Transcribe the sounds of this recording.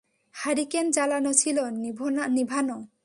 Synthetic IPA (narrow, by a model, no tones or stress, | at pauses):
haɾikɛnd͡ʒalanɔt͡ʃʰilɔnibʱɔnanibʱanɔ